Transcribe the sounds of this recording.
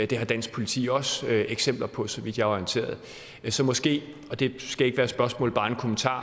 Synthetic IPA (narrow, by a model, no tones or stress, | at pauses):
d̥e̝ɦɑ̈d̥æn̰sɡ̥̚pʰo̝lit͡sʰḭːɒ̽søeɡ̥sem̰b̥lɐpʰɒ̽sɒ̽ʋid̥jɑ̈ɒjint͡sʰe̝̰ːɐð̩ˠ | sɒ̽mɒ̽sɡ̥e̝̰ː | ɒ̽d̥e̝sɡ̥æe̝ɡ̥əʋæːɐsb̥ɶɐsmɔ̰̽ːlb̥ɑ̈ːe̝nkʰo̝mənt͡sʰɑ̰̈ː